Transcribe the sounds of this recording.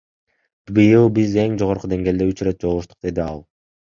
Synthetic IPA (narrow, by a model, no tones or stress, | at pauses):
bɯjɯlˠbize̞ŋd͡ʒo̞ʁo̞ɾqud̪e̞ŋɡe̞ːld̪eyt͡ʃɾe̞t̪̚d͡ʒo̞lˠːuʃt̪u̥q̚d̪e̞d̪iɑ̰lˠ